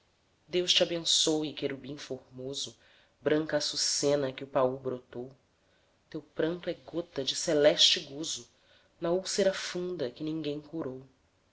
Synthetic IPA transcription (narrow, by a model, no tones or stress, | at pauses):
d̪ewʃt͡ʃiabẽsowikeɾubĩfoɾmozʊ | bɾɐ̃ŋkɐsusẽnɐkɪʊpaubɾot̪ow | t̪ewpɾɐ̃nt̪ʊɛɡot̪ɐd͡ʒɪsɛlɛʃt͡ʃɪɡuzʊ | nɐuwseɾɐfũnd̪ɐkɪnĩŋɡẽj̃kuɾow